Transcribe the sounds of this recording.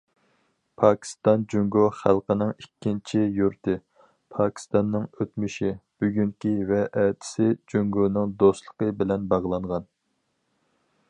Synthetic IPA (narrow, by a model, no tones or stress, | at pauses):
pʰɑːkʲʰi̥st̪ɑnd͡ʒyŋɡoχælˠqənɨŋikʲʰːint͡ʃʰijuɾt̪ɨ | pʰɑːkʲi̥st̪ɑnːɨŋøt̪myʃib̥yɡʲyŋkʲivɛʔɛt̪ʰɪ̥sɪd͡ʒyŋɡonɨŋd̪ost̪lˠə̥qʰəbɪlɛnbɑʁlˠɑɴʁɑn